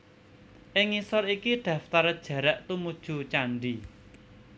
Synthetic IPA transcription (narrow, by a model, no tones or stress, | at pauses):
ʔɪŋisɔɾikid̪̥ä̤ft̪aɾd̥ʒ̥a̤ɾɛʔt̪umud̥ʒ̥ṳt͡ʃaɳɖi